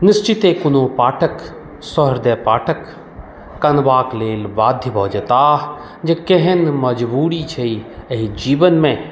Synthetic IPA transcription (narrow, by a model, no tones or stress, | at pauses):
nɪst͡ʃɪt̪eːkʊnoːpaːʈʰək | sɔɦəɾd̪epaːʈʰəkː | ɐnʋaːkleːlbaːd̪ʱjəbɐɦd͡ʒət̪aː | d͡ʒekeɦenmɐd͡ʒbuːɽit͡ʃʰeiɐɦid͡ʒiːʋənmẽ